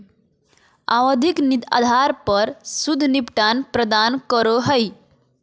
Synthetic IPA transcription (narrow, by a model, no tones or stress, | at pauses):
a̰wəd̪ʱiknid̪a̰d̪ʱaɾpəɾsud̪ʱnipʈanpɾəd̪ankəɾoɦəj